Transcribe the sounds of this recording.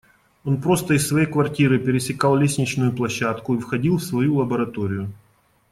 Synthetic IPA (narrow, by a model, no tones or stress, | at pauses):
o̞npɾo̞st̪əɪsːvɐjejkvɐrtʲiɾɨpʲɪɾʲɪsʲɪkɑlˠlʲesʲnʲɪt͡ɕnʊjʊplˠɐɕːat̪kʊifxɐdʲilˠfsvɐjulˠɐbəɾɐt̪o̞ɾʲɪjʊ